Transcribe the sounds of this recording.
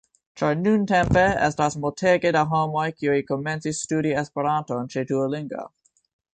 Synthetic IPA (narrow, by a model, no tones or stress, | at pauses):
t͡ʃaɾnuntẽmpeḛstasmoltʰeɡedaɦomo̞jkiuikoment͡sisːtuɾiespeɾantont͡ʃetualiŋɡa̰